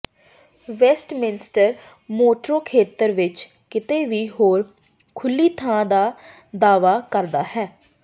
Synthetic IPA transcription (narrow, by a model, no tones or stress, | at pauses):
ʋɛːsʈmɪnɪsʈəɾ | moːʈɾoːkʰeːt̪əɾʋɪt͡ʃ | kɪt̪eːʋiːɦoːɾ | kʰʊlːiːt̪ʰãːd̪aː | d̪aːʋaːkəɾd̪aːɦɛː